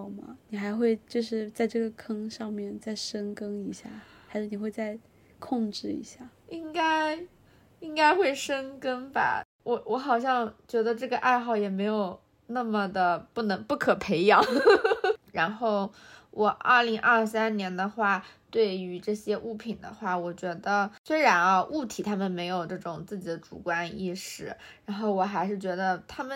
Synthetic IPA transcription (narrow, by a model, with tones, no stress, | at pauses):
mɐ̰˨˦ni˨˩xa˧˥ɪxwe˥˧ɪt͡ɕjo˥˧ʊʂɻ̩˥˧t͡sa˥˧ɪʈ͡ʂɤ˥˩ɡə˩kʰɤ˥ŋʂɑ˥˧ŋmjɛ˥˩nt͡sa˥˩ɪʂɤ˥ŋkɤ˥ŋi˧˥ɕja̰˥˩xa˧˥ɪʂɻ̩˥˩ni˨˩xwe˥˧ɪt͡sa˥˧ɪ | kʰʊ˥˧ŋʈ͡ʂɻ̩˥˩ḭ˧˥ɕja˥˩i˥ŋka˥ɪ | i˥ŋka˥ɪxwe˥˩ɪʂə˥ŋkə˥ŋba̰˨˩ | wɔ˨˧˩wɔ˧˥xɑ˨˩ʊɕ̬jɑ˥˩ŋt͡ɕɥɛ˧˥d̪ə˧ʈ͡ʂɤ˥˩ɡə˩ʔa˥˧ɪxɑ˥˩ʊjɛ˨˩me˧˥ɪjo˨˩ʊ | na˥˩mə˩d̪ə˩pu˥˩nɤ˧˥ŋpu˥˩kʰɤ˨˩pʰe˧˥ɪjɑ˨˩˦ŋ | ɻa˧˥nxo˥˩ʊwʔɔ˨˩ʔɐ̰˞˥˩li˧˥ŋʔɐ˞˥˧s̬a˥nnjɛ˧˥nd̪ə˧xwa˥˩t̪we˥˩ɪy˧˥ʈ͡ʂɤ˥˩ɕjɛ˥ʔu˥˩pʰi˨˩d̪ə̰˦xwa˥˩wɔ˨˩t͡ɕɥɛ˧˥d̪ə˧swe˥ɪɻa˧˥nɐ˧ʔu˥˩t̪ʰi˨˩t̪ʰa˥mə˨nme˧˥ɪjo˨˩ʊʈ͡ʂɤ˥˩ʈ͡ʂʊ˨˩ŋt͡sɹ̩˥˩t͡ɕi˨˩d̪ə˦ʈ͡ʂṵ˨˩kwa˥nḭ˥˧ʂɻ̩˥˩ɻa˧˥nxo˥˩ʊwɔ˨˩xa˧˥ɪʂɻ̩˥˩t͡ɕɥɛ˧˥d̪ə˧t̪ʰa˥mə˨